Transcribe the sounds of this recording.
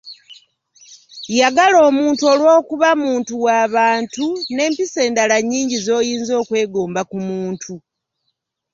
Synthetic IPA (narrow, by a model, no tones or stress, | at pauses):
jaɡalo̞ːmuːntuo̞lwo̞ːkuβamuːntuwaːβaːntune̞ːmpise̞ːndalaɲːiːɲɟizo̞ːjiːnzo̞ːkwe̞ːɡoːmbakumuːntʰu